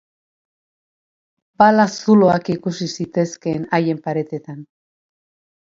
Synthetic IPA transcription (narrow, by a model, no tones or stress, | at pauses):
balasulo̞akikusisit̪e̞ske̞naje̞mpaɾe̞t̪e̞t̪an